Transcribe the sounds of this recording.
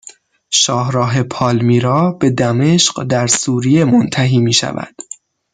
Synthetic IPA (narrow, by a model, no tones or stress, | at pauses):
ʃɒːhɾɒːɦe̞pʰɒːlmiːɾɒːbe̞d̪æme̞ʃɢd̪æɾsuːɾije̞mont̪ʰæɦiːmiːʃæ̰væ̰d̪̥